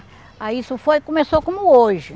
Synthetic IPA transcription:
aisʊfojkõmesokõmʊoʒɪ

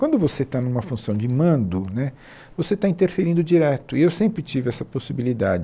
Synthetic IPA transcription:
kwɐ̃nd̪ʊvoset̪anũmɐfũsɐ̃w̃d͡ʒɪmɐ̃nd̪ʊnɛ | voset̪aĩnt̪eɾfeɾĩnd̪ʊd͡ʒiɾɛt̪ʊiewsẽmpɾɪt͡ʃivɪɛsɐposibilid̪ad͡ʒɪ

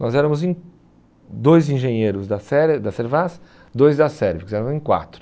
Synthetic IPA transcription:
nɔzɛɾɐ̃mʊzẽj̃ | d̪ojzĩʒẽɲejɾʊzd̪ɐsɛɾd̪ɐseɾvas | d̪ojzd̪ɐsɛɾvikʊzɛɾɐ̃w̃ẽkwa̰t̪ɾʊ

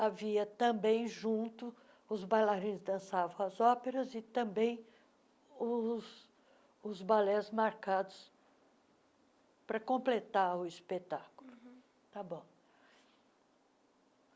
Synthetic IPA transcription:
aviɐt̪ɐ̃bẽj̃ʒũt̪ʊ | ʊzbajlaɾĩzd̪ɐ̃savɐ̃w̃ɐzɔpeɾɐzɪt̪ɐ̃bẽj̃ | ʊs | ʊzbalɛzmaɾkad̪ʊs | pɾɐkõplet̪aʊispet̪akʊlʊ | t̪abõw̃

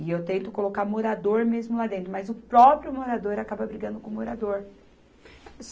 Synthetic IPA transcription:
ɪewt̪ẽnt̪ʊkolokamoɾad̪oɾmezmʊlad̪ẽnt̪ɾʊmɐzʊpɾɔpɾjʊmoɾad̪oɾakabɐbɾiɡɐ̃nd̪ʊkõmoɾad̪oɾ | s

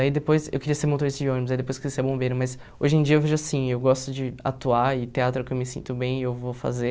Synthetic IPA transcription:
aid̪epojsḛwkeɾiɐseɾmot̪oɾist̪ʊd͡ʒiõnimʊzaid̪epojskɪeɾiɐseɾbõmbejɾʊmɐs | o̰ʒẽj̃d͡ʒiɐewveʒʊasĩewɡɔst̪ʊd͡ʒɪa̰t̪uaɪt̪eat̪ɾʊkɪewmɪsḭ̃nt̪ʊbẽj̃ewvofa̰ze

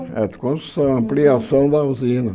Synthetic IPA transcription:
ɛ̰d̪kõsusɐ̃ɐ̃mpliasɐ̃w̃d̪ɐuzĩnɐ

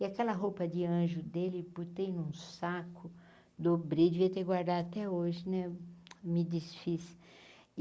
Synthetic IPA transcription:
ɪakɛlɐɦowpɐd͡ʒɪɐ̃ʒʊd̪elɪput̪ejnũsakʊ | d̪obɾed͡ʒɪviɐt̪ekɡwaɾd̪ad̪at̪ɛoʒɪnɛmɪd͡ʒisfis

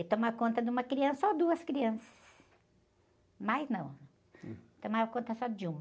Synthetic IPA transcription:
ɪt̪õmakõnt̪ɐd̪ɪũmɐkɾiɐ̃sɐod̪uɐskɾiɐ̃sɐ̥s | majznɐ̃w̃ | t̪õmakõnt̪ɐsɔd͡ʒɪũmɐ

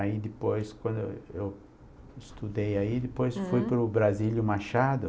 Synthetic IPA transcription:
aid̪ɪpojskwɐ̃nd̪ʊʊ̰ew | ɪst̪ud̪ejaid̪ɪpojsfujpɾʊbɾazilʊmaʃad̪ʊ

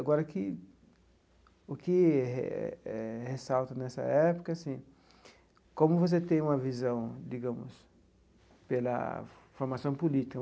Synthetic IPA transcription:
aɡɔɾɐkɪ | ʊkɪ | ɛhesawt̪ɐnɛsɐ̰ɛpo̥kɐsĩ | kõmʊvos̬et̪ẽj̃ũmɐvizɐ̃w̃d̪iɡɐ̃mʊ̰s | pelɐ̰ | foɾmasɐ̃w̃polit̪ik

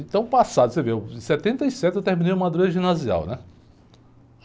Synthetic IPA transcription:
ẽt̪ɐ̃w̃pasad̪ʊsevesɛt̪ẽnt̪ɐisɛt̪ɪewt̪eɾmĩnejũmad̪ɾoʒĩnazia̰wnɛ

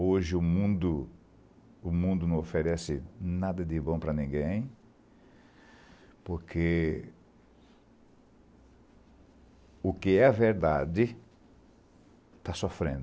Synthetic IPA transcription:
oʒɪʊmũnd̪ʊ | ʊmũnd̪ʊnɐ̃w̃ofeɾɛsɪnad̪ɐd̪ɪbõpɾɐnĩŋɡẽj̃ | poɾkʰe | ʊkɪɛɐveɾd̪ad̪ɪ | t̪asofɾḛ̃nd̪ʊ

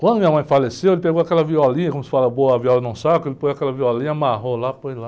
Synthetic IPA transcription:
kwɐ̃d̪ʊmĩɐmɐ̃j̃falesewelɪpeɡowakɛlɐviɔlĩɲɐkõmʊsɪ̥falɐboɐaviɔlɐnũsakʊelɪpojakɛlɐviɔlĩɲɐamaɦolapojla

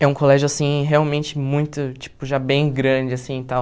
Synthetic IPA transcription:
ɛũkolɛʒʊasĩɦeawmẽnt͡ʃɪmũj̃t̪ʊt͡ʃi̥pʊʒabẽj̃ɡɾɐ̃d͡ʒɪasĩt̪aw

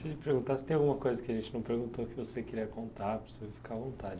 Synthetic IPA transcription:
sd͡ʒɪpeɾɡũnt̪asɪt̪ẽj̃awɡumɐkojzɐkɪɐʒẽnt͡ʃɪnɐ̃w̃peɾɡũnt̪oʊkɪvosekiɾiɐkõnt̪apɾesuvifi̥kavõnt̪ad͡ʒɪ

